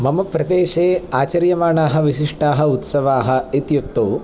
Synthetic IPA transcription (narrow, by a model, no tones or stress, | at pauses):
mɐmɐpɾɐd̪eːʃeːaːt͡ʃɐɾjɐmaːɳaːɦɐ̆ʋiʃiʂʈaːɦɐut̪sɐʋaːɦɐ̆it̪jut̪ːoː